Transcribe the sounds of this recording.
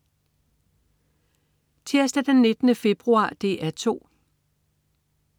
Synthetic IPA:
t͡sʰe̝ɐsd̥æd̥enːe̝d̥ənəfe̝b̥ʁuɑ̰̈ːd̥e̝̰ːʔæt͡sʰo̝̰ː

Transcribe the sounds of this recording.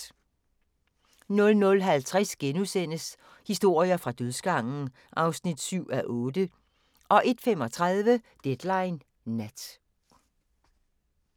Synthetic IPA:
nɔ̽lnɔ̽lɦælt͡sʰʁasɡ̥enusen̰əs | hisd̥o̝ɐ̰iɐfʁɑ̈d̥øðˠsɡ̥ɑ̈ŋ̰n̩ | ʔɑ̈ʊsnid̥syʊ̰æʔɔ̽ːd̥ə | ʔɒ̽ʔe̝d̥fem̰ɒ̽t͡sʰʁɑð̞ˠʋə | d̥ed̥lɑ̈ɪnː | æd̥

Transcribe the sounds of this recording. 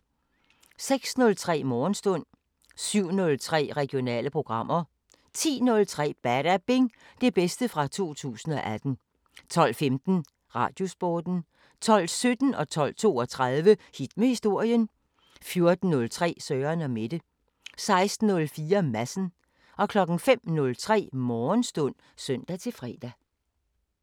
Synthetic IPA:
seɡ̥snɔ̽lt͡sʰʁɛ̰ːmɒːn̩sd̥ɔ̽n̰ | syʊ̰nɔ̽lt͡sʰʁɛ̰ːʁɛɡ̥ijo̝nɛ̰ːləpʰʁo̝ɡ̥ʁɑ̈m̰ʔɐ | t͡sʰḭːnɔ̽lt͡sʰʁɛ̰ːb̥æɾ̥æb̥e̝ŋ | d̥e̝b̥esd̥əfʁɑ̈t͡sʰo̝̰ːt͡sʰṵːsn̩ɒ̽ʔæd̥n̩ | t͡sʰɒ̽l̰femd̥n̩ | ʁɑ̈ːd̥jo̝sb̥ɒːd̥n̩ | t͡sʰɒ̽l̰sød̥n̩ɒ̽t͡sʰɒ̽l̰t͡sʰo̝̰ːɒ̽t͡sʰʁɑðˠʋəhid̥məhisd̥o̝ɐ̰jən | fjo̝ɐd̥n̩ːɔ̽lt͡sʰʁɛ̰ːsœːɐnɒ̽me̝d̥ə | sɑ̈ɪsd̥n̩ɔ̽lfiːɐmæsn̩ | ɒ̽kʰlɒ̽ɡ̥n̩fem̰nɔ̽lt͡sʰʁɛ̰ːmɒːnsd̥ɔn̰ | sœn̰d̥æt͡sʰe̝lfʁɛ̰ːd̥æ

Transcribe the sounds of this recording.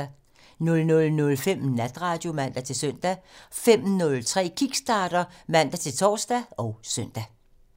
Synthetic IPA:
nɔ̽lnɔ̽lnɔ̽lfem̰næd̥ʁɑ̈ːd̥jo̝mæn̰d̥æt͡sʰe̝lsøn̰d̥æfem̰nɔ̽lt͡sʰʁɛ̰ːkʰiɡ̥sd̥ɑ̈ːɾ̥ɐmæn̰d̥æt͡sʰe̝lt͡sʰɒ̰ːsd̥æɒ̽ʊsœn̰d̥æ

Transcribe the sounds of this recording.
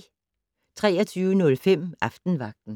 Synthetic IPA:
t͡sʰʁɛ̰ːɐt͡sʰyːənɔ̽lfem̰ʔɑfd̥n̩ʋɑ̈ɡ̥̚d̥n̩

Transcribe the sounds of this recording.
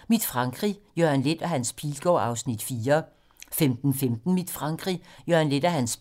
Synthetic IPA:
mid̥fʁɑ̈ŋɡ̥ʁijønle̝d̥æɦænspʰiːlɡ̥ɒ̰ːɑ̈ʊsnid̥fiːɐ | femd̥n̩femd̥n̩mid̥fʁɑ̈ŋɡ̥ʁijøɐnle̝d̥æɦæns

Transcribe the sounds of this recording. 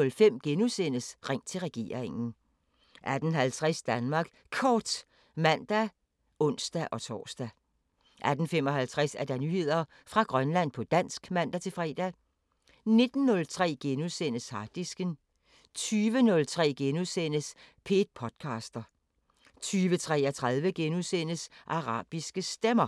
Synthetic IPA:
ɔ̽lfem̰ɡ̥enusen̰əsʁɛŋ̰t͡sʰe̝lʁɛɡ̥e̝̰ːɐ̰ʁeŋn̩ | ʔæd̥ən̩ɦælt͡sʰʁɛsd̥ænmɑ̈ːɡ̥ | kʰɒːd̥ | mæn̰d̥æ | ɔ̽n̰sd̥æʔɒ̽t͡sʰɒ̰ːsd̥æ | ʔæd̥n̩fem̰ɒ̽hælt͡sʰʁasæɐd̥ɑ̈nyhe̝ð̞̰ˠɐ | fʁɑ̈ɡ̥ʁɶnlæn̰pʰɒ̽d̥æn̰sɡ̥mæn̰d̥æt͡sʰe̝lfʁɛ̰ːd̥æ | ne̝d̥n̩ːɔ̽lt͡sʰʁɛ̰ːɡ̥enusenəshɑ̈d̥isɡ̥ən | t͡sʰyːʋənɔ̽lt͡sʰʁɛ̰ːɡ̥enusen̰əspʰe̝ːd̥̚pʰɒ̽d̥̚kʰɑ̈ːsd̥ɐ | t͡sʰyːʋət͡sʰʁɛ̰ɐt͡sʰʁɑ̈ðˠʋəɡ̥enusen̰əsʔɑ̈ʁɑ̰̈ːb̥isɡ̥əsd̥emɐ

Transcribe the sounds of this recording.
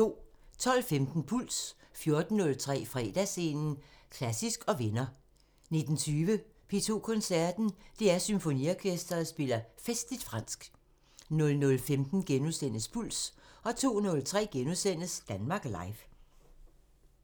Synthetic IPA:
t͡so̝̰ːt͡sʰɒ̽l̰femd̥n̩pʰul̰sfjo̝ɐd̥n̩ːɔ̽lt͡sʰʁɛ̰ːfʁɛ̰ːd̥æse̝ːnn̩kʰlæsisɡ̥ɒ̽ʋe̝nɐ | ne̝d̥n̩t͡sʰyːʋə | pʰe̝̰ːt͡sʰo̝̰ːkʰɔ̽nsæɐd̥n̩d̥e̝æɐsymfo̝niɒkʰesd̥ɐðsb̥e̝lɐfesd̥lid̥fʁɑ̈n̰sɡ̥ | nɔ̽lnɔ̽lfemd̥n̩ɡ̥enusen̰əspʰul̰sɒ̽t͡sʰo̝̰ːnɔ̽lt͡sʰʁɛ̰ːɡ̥enusen̰əsd̥ænmɑ̈ːɡ̥lɑ̈ɪf

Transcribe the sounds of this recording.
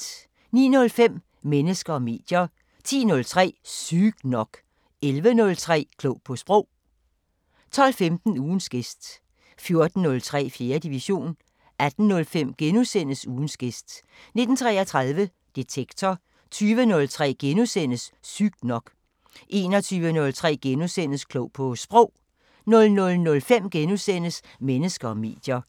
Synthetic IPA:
nḭːnɔ̽lfem̰ | menəsɡ̥ɐɒ̽me̝̰ːd̥jɐ | t͡sʰḭːnɔ̽lt͡sʰʁɛ̰ːsyɡ̥nɒ̽ɡ̥ | elʋənɔ̽lt͡sʰʁɛ̰ːkʰlɔʊpʰɒ̽sb̥ʁɔʊ̰ | t͡sʰɒ̽l̰femd̥n̩uːn̩sɡ̥esd̥ | fjo̝ɐd̥n̩ːɔ̽lt͡sʰʁɛ̰ːfje̝ːɐd̥iʋiɕo̝̰ːn | æd̥n̩ːɔ̽lfem̰ɡ̥enusen̰əsuːn̩sɡ̥esd̥ | ne̝d̥n̩t͡sʰʁɛːɐt͡sʰʁɑðˠʋə | d̥et͡sʰeɡ̥t͡sʰɒ | t͡sʰyːʋənɔ̽lt͡sʰʁɛ̰ːɡ̥enusen̰əsːyɡ̥nɒ̽ɡ̥ | ʔe̝ːnɒt͡sʰyːʋənɔ̽lt͡sʰʁɛ̰ːɡ̥enusen̰əskʰlɔʊ̰pʰɒ̽sb̥ʁɔʊ̰ | nɔ̽lnɔ̽lnɔ̽lfem̰ɡ̥enusen̰əs | menəsɡ̥ɐɒ̽me̝̰ːd̥jɐ

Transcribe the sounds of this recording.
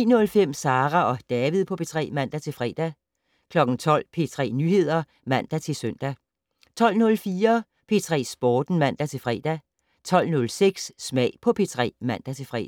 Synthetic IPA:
iːnɔ̽lfem̰sɑ̈ːʁæɒ̽d̥ɛːʋið̰ˠpʰɒ̽pʰe̝t͡sʰʁɛ̰ːmæn̰d̥æt͡sʰe̝lfʁɛ̰ːd̥æ | kʰlɒ̽ɡ̥n̩t͡sʰɒ̽l̰pʰe̝t͡sʰʁɛ̰ːnyːhe̝ð̞̰ˠɐ | mæn̰d̥æt͡sʰe̝lsøn̰d̥æ | t͡sʰɒ̽l̰nɔ̽lfiːɐ | pʰe̝t͡sʰʁɛ̰ːsb̥ɒːd̥n̩mæn̰d̥æt͡sʰe̝lfʁɛ̰ːd̥æ | t͡sʰɒ̽l̰nɔ̽lseɡ̥sːmɛ̰ːɪpʰɒ̽pʰe̝t͡sʰʁɛ̰ːmæn̰d̥æt͡sʰe̝fʁɛ̰ː

